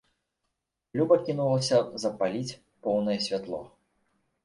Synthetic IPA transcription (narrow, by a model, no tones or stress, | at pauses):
lʲubɐkʲinulˠɐsʲɐzɐpalʲit͡sʲ | pɔwnɐjɛsʲvʲat̪lˠɔ̰